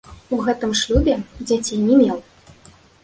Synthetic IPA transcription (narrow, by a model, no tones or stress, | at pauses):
uɣɛt̪ɨmʂlʲubʲɛd͡zʲat͡sʲejnʲɛmʲɛlˠ